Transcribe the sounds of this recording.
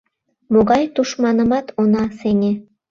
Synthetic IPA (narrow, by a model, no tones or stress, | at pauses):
moɣɑjt̪uʃmɑnə̆mɑt̪ʰonɑsenʲe